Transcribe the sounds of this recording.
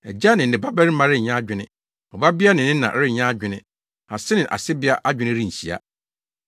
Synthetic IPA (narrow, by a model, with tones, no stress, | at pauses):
ɛ˨d͡ʑa˦nɪ̃˨n˨ɪ̃˨ba˦bæ˦ɾi˦mã˦ɾɪ˦ɲ˨ɲã˦d͡ʑᶣɪ˦nɪ̃˦ | ɔ˨ba˦bɪ˦a˦nɪ̃˨nɪ̃˦nã̰˨ʔɾɪ˦˨ɲã˦a˦d͡ʑᶣɪ̃˨nɪ̃˦ | a˨sɪ˦nɪ̃˨ʔa̰˨sɪ˦bɪ˦a˦ʔa˦d͡ʑᶣɪ˦nɪ̃˦ɾĩ˦˨ɲ̩˨ɕi˨a̰˦